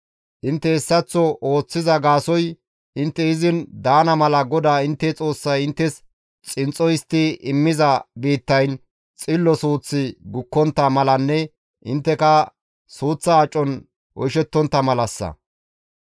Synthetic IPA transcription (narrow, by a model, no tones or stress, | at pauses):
ʔɪnt̪ːɛɛsːɐt͡sːɔʔo̞ːt͡sːɪzɐɡaːsɔj | ʔɪnt̪ːɛɪzɪnd̪aːnɐmɐlɐɡɔd̪aːɪnt̪ːɛt͡sʼo̞ːsːɐjɪnt̪ːɛs | t͡sʼɪnt͡sʼɔjɪst̪ːɪʔɪmːɪzɐbiːt̪ːɐjn | t͡sʼɪlːɔsuːt͡sːɪɡʊkːɔnt̪ːɐmɐlɐnːɛ | ʔɪnt̪ːɛkɐ | suːt͡sːɐːt͡ʃʼːɔn | ʔɔjʃɛt̪ːɔnt̪ːɐmɐlɐsːɐ̰